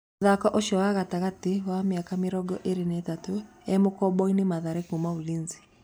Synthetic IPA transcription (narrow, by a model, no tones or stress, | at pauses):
oðakɔʔoʃɔwaɣataɣatiwamjakameɾɔɡɔʔeɾenetato | ɛmokɔbɔinemaðaɾekumaoliːnzi̥